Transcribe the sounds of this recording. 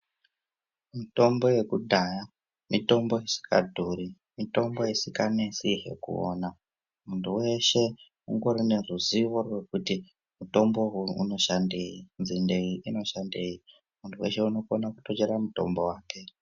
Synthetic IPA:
mito̞mbo̞je̞kudʱaja | mito̞mbo̞isi̥ka̰dʱuɾi | mito̞mbo̞isikane̞siɦe̞̰kṵo̰ːna | muntʰuwe̞ʃe̞ | uŋɡo̞ɾine̞ruziʋo̞rwe̞kuti | muto̞mbo̞ṵno̞ʃandejinzinde̞iʔino̞ʃande̞ji | muntʰuweʃe̞uno̞konakuto̞t͡ʃeɾamuto̞̰mbo̞waːke̞

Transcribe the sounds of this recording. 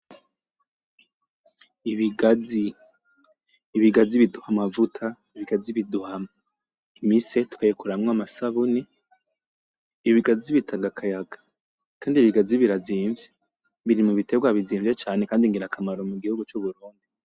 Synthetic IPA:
iβiɡazi | βiɡaziβiduhamavutʰa | iβiɡaziβiduhama | imisetu̥kajekuɾamŋamasaβuni | βiɡaziβitʰaɡakʰajaɡḁ | kaːndiβiɡaziβiɾaziːɱvje | βiɾimuβiteɡwaβiziːɱvjet͡ʃaːnekaːndiŋɡiɾakʰamaɾomuɡihuɡut͡ʃuβuɾuːndi

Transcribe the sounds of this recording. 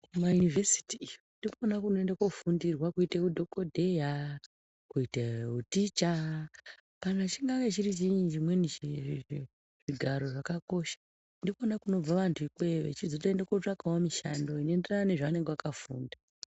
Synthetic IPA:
majunivesi̥tiːjondikoonakuno̞e̞ndako̞fundirwakuitekudʱo̞ko̞dʱe̞ja | kuiteɦutit͡ʃa | panat͡ʃiŋɡaket͡ʃiɾit͡ʃid͡ʒimwenii | ʐiɡʱaɾo̞ʐakako̞ʃḁ | ndikonakuno̞b͡vaʋantʰuikweʋḛt͡ʃizo̞taendakot͡ʂakawamiʃando̞inoenderanane̞ʐaane̞ŋɡeʋakafuːnda

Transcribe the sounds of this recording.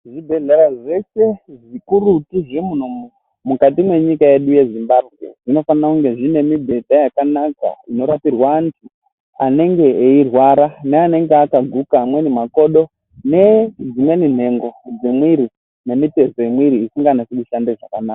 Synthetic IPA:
ʐibʱe̞ɮeɾaʐe̞se̞ʐikurutiʐemunomu | mukatimwe̞ɲikajeɗuje̞zimbabʱɣe̞̰ʐino̞fanakuŋɡe̞ʐine̞mibʱe̞dajakanaka̰ino̞ɾatirwantʰi | ane̞ŋɡe̞ːirwaɾaneane̞ŋɡeakaɡʱukamwe̞nimako̞ɗo̞ | ne̞d͡zimwe̞nin̤e̞ŋɡo̞d͡zimwiɾi | ne̞mite̞so̞emwiɾiːsiŋɡanasekuʃandeʐakanaːka

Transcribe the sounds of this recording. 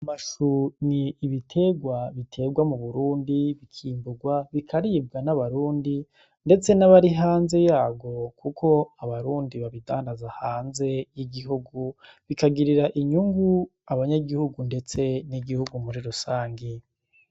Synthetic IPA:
amaʃuniːβitʰe̞ɡwaβitʰe̞ɡwamuβuɾuːndiβikʰiːmbuɡwaβikʰaɾib̚ɡanaβaɾuːndi | nde̞t͡se̞naβaɾiɦaːnze̞jaːɡo̞kʰukʰo̞aβaɾuːndiβaβidaːndazahaːnze̞jiɡiɦuɡuβikaɡiɾiɾaʔiɲuŋɡuaβaɲaɡihuɡunde̞t͡se̞niɡihuɡumuɾiɾusaːŋɡi

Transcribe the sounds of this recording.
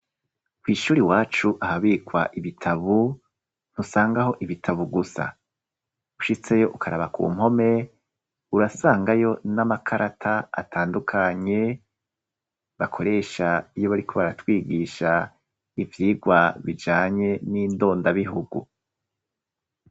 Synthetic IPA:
wiːʃuːɾiwaːt͡ʃuʔahaβikwaʔiβitʰaβu | n̥husaːŋɡaɦo̞ʔiβitʰaβuɡusa̰ | uʃit͡se̞jo̞ʔukʰaɾaβakṵːmho̞me̞ | uɾasaːŋɡajo̞namakʰaɾʔatʰaa̰tʰaːndukʰaɲe̞ | βakʰo̞ɾe̞ːʃaijoβaɾikʰo̞βaɾatwiːɡiʃa | ivjiːɡwaβid͡ʒaːɲe̞niːndo̞ːndaβiɦuɡṵ

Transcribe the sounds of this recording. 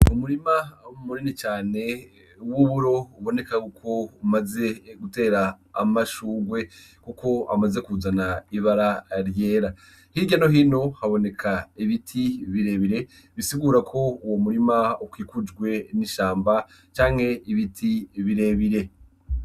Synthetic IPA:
umuɾimaumuɾinit͡ʃaːne̞ | wuβuɾo̞uβo̞ne̞kakukʰo̞umaze̞ɡute̞ːɾa̰ː | maʃuːɡwe̞ | kukʰo̞a̰maze̞kuzanaiβaɾaɾje̞ːɾa | hiɟano̞ɦino̞haβo̞ne̞kʰaiβitʰiβiɾe̞βiɾe̞ | βisiɡuːɾakʰo̞uwo̞muɾimaukwiːkud͡ʒɡwe̞niʃaːmba | t͡ʃaːŋhe̞iβitʰiβiɾe̞βiɾe̞

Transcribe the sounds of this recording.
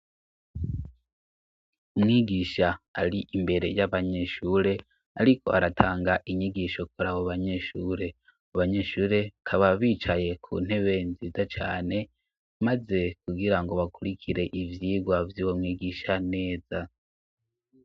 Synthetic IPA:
umŋiːɡiʃaa̰ɾiʔimbe̞ɾe̞jaβaɲe̞ʃuːɾe̞ | aɾikʰo̞̰ʔaɾatʰaːŋɡaʔiɲiɡiʃokuɾaβoβaɲe̞ʃuːɾe̞ | aβaɲe̞ʃuːɾe̞kʰaβaβiːt͡ʃaje̞kʰṵːn̥he̞βe̞nziːzat͡ʃa̰ːne̞ | maze̞kuɡiɾaŋɡo̞βakuɾikʰiɾe̞ʔivjiːɡwavjuːwomŋiːɡiʃane̞ːza

